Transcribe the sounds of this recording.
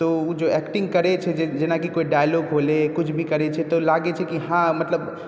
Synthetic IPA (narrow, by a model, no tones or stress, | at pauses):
t̪oud͡ʒoɛkʈĩŋɡkəɾet͡ʃʰɛd͡ʒed͡ʒenakikoiɖajloɡɦolekut͡ʃʰbʱikəɾɛt͡ʃʰɛt̪ɔlaɡet͡ʃʰɛkiɦãmət̪ləb